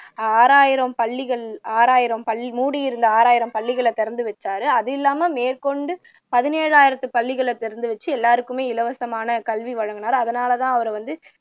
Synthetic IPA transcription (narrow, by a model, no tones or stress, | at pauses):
aːɾaːjɪɾɐmpɐɭːɪɣɐɭaːɾaːjɪɾɐmpɐɭːɪmuːɽijɪɾɯnd̪ɐaːɾaːjɪɾɐmpɐɭːɪɣɐɭɛt̪ɛɾɐnd̪ɯʋɛt͡ʃːaːɾɯɐðɪlːaːmɐmeːɾkɔɳɖɯ | pɐðɪneːɻaːjɪɾɐt̪ːɯpɐɭːɪɣɐɭɛt̪ɛɾɐnd̪ɯʋɛt͡ʃːɯɛlːaːɾɯkːɯmeːɪlɐʋɐsɐmaːnɐkɐlʋiʋɐɻɐŋɡɐnaːɾɐðɐnaːlɐt̪ãːɐʋɐɾɐʋɐnd̪ɯ